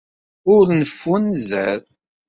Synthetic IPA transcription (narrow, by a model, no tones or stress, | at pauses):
ʊɾnəfːunzəɾ